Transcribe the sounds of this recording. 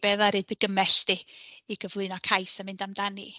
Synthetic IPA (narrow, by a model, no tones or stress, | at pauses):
b̥ɛðaɾɨdəɡəmɛɬtɪːɡəvlˠɨnɔkʰajsamɨndamdani